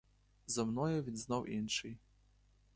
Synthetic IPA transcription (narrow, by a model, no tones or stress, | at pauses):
zɐmnɔjɐvʲinʲznɔwʔinʂɨj